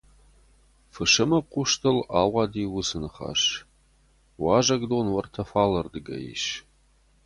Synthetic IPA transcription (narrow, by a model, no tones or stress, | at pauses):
fɨʂɨmɐqʷʊʂtʰɨlaːwʷɑːdiːwʊsɨnɨχa̰ːʂ | wɑːʒɐɡdoːnwɐrtʰɐfaːlɐrdɨɡɐ̰jḭʃ